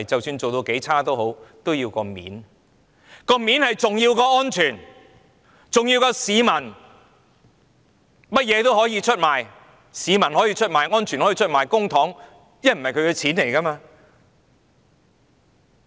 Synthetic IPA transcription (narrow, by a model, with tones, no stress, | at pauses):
t͡sɐ˨wsyː˧nt͡so˨wt̪o˧wke˨˥jt͡sʰaː˥t̪o˥wɦo˨˥wt̪o˥wjiː˧wkɔː˧mḭː˨˥n | kɔː˧miː˨˥nhɐ˨jt͡sʊ˨ŋjiː˧wkɔː˧ŋɔː˥nt͡ʃʰyː˨˩n | t͡sʊ˨ŋji˧wkɔː˧siː˨˧mɐ˨˩n | mɐ˥t̚jɛː˨˧t̪o˥wɦɔː˨˥jiː˧t͡ʃʰɵ˥t̚maː˨˩j | siː˨˧mɐ˨˩nɦɔː˨˥jiː˧t͡ʃʰɵ˥t̚maː˨jŋɔː˥nt͡ʃʰyː˨˩nhɔ˨˥iː˧t͡ʃʰɵ˥t̚maː˨˩jkʊ˥ŋt̪ʰɔː˨˥ŋ | jɐ˥nm̩˨˩hɐ˨jkʰɵ˨˧ɥkɛ˧t͡sʰiː˨˥nle˨˩jkɐ˥maː˧